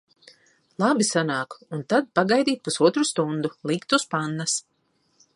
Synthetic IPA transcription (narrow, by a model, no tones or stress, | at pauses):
lˠabisanaːkunt̪ad̪̚paɡajd̪iːt̪̚pusuɔt̪ɾust̪und̪ulˠikt̪uspanːas